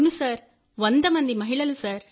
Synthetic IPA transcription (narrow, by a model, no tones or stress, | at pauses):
misaːɾ | ʋɐnd̪ɐmɐnd̪imɐɦɪɭɐlɯsaːɾ